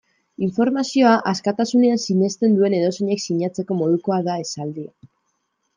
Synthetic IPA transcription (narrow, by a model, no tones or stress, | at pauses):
iɱfo̞ɾmasio̞aʔaskat̪asune̞ansiɲe̞st̪e̞nd̪ue̞ne̞ðo̞siɲe̞ksiɲat͡se̞ko̞mo̞ð̞uko̞aðae̞sald̪ia